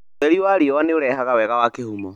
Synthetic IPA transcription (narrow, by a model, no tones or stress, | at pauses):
ɛɾiwaːɾiɔwaneoɾɛɦaɣawɛɣawakehumɔ